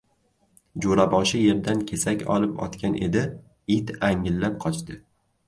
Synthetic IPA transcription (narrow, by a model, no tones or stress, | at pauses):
d͡ʒoɾabɒʃɪje̞ɾd̪ankʲʰe̞sakʲɒ̰lˠɪpɒ̰t̪kʲʰanʔe̞̰d̪ɪ | ɪt̪aŋːɪlːap̚qʰɒt͡ʃt̪ɪ